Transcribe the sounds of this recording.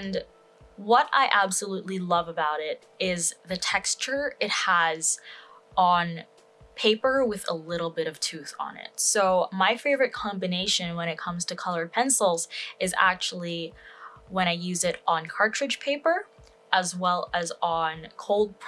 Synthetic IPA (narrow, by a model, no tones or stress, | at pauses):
n | wʌɾa̰ɪʔæbsəlutˡlilʌvəbaʊɾɪɾ | ɪzðɨtʰɛkst͡ʃə˞ɪt̚həz̥ | n̩ | pʰeɪpə˞wɨðə̰lɪɾl̩ˠbɪɾʌv̥tʰʉθn̩ɪ̰t̚soʊmaɪfeɪvə˞ɨt̚kʰɑ̃mbɨneɪʃɨ̃nwə̃ɾ̃ɨt̚kʰʌ̃mz̥tʰɨkʰʌlˠə˞d̚pʰɛ̃nsl̩ˠzɨzæ̰k̚t͡ʃul̩ˠi | wə̃ɾ̃aɪjʉzɪɾn̩kʰɑɹt͡ʃɹ̥ɨd̥ʒ̥pʰeɪpə˞ | əzwɛlˠɨzn̩kʰoʊlˠd̚pʰ